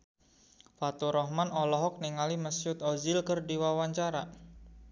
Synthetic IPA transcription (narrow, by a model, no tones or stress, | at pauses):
fat̪uɾɔhmanɔlɔɦɔk̚niŋaliməsjʊt̪ɔzɪlkərdiwawaɲt͡ʃaɾa